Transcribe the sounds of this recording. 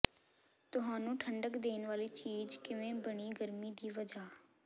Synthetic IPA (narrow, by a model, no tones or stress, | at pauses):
t̪ʊɦaːnũːʈʰəɳɖəkd̪eːnʋaːliːt͡ʃiːd͡ʒkɪʋẽːbəɽ̃iːɡəɾmiːd̪iːʋəd͡ʒaː